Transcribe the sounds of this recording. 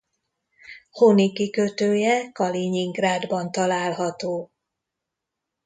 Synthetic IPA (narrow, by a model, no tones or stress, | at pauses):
honikikøt̪øːjɛkɒliɲiŋɡraːd̪bɒnt̪ɒlaːlɦɒt̪oː